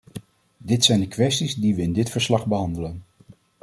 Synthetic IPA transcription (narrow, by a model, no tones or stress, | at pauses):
dɪtsɛjndəkʋɛstizdiʋəɪndɪtfəɹslɑχbəɦɑndələn